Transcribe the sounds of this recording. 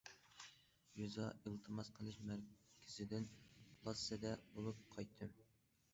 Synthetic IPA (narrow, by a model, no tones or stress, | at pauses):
juzɑilˠt̪ʰɨmɑsqʰəlˠɨʃmæɾkʲʰɪ̥zɪd̪ɪnpʰlˠɑsːɛd̪ɛbolˠup̚qʰɑjt̪ʰːɨm